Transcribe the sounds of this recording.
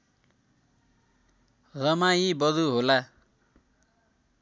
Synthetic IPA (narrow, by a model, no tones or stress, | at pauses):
rʌmajibʌd̪uɦola